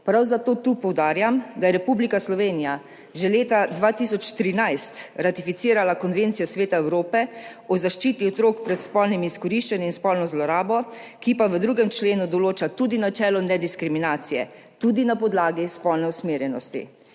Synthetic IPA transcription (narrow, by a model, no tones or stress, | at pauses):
pɾawzat̪oːt̪upɔwd̪aːɾjamd̪ajɛɾɛpublikaslɔʋeːnija | ʒɛleːt̪ad̪ʋaːt̪isɔt͡ʃt̪ɾinajst̪ɾat̪ifit̪siːɾalakɔnʋeːnt̪sijɔsʋeːt̪aɛwɾoːpɛɔzaʃt͡ʃiːt̪iɔt̪ɾoːkpɾɛt̪spɔlnimiiskɔɾiʃt͡ʃaniinspɔlnɔzlɔɾaːbɔkipaʋəd̪ɾuːɡɛmt͡ʃleːnud̪ɔloːt͡ʃat̪uːd̪inat͡ʃɛːlɔnɛd̪iskɾiminaːt̪sijɛ̰ | t̪ud̪inapɔd̪laːɡispɔlnɛusmeːɾjɛnɔst̪ḭ